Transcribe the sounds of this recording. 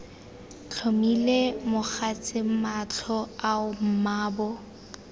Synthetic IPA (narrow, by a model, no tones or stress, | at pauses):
t͡ɬʰomilemʊχat͡sʼɪmat͡ɬʰɔaʊm̩maːbɔ